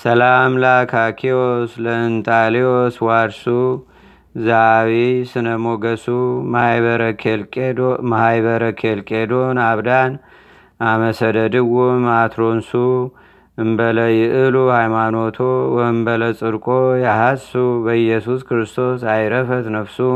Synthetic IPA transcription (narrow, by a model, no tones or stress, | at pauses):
səlamlakʰakʰiosləɨnt̪ʰʼalioswaɾsu | zaawisɨnəmo̞ɡəsuβəɾəkʰelmahajβəɾəkʰelkʼed̪onaβd̪an | ʔaməsəd̪əd̪ɨwumat̪ɾo̞nsu | ɨmbələjɪʔɨluhajmano̞t̪ʰowɨmbələt͡sʼɨɾkʼojahasubəjɛsuskɾɨst̪ʰo̞sajɾəfət̪nəβsu